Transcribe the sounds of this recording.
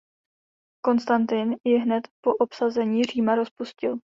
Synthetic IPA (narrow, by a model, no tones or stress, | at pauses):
ko̞nst̪ant̪ɪnjɪɦnɛt̪po̞ʔo̞psazɛɲiːr̝iːmaɾo̞spuscɪl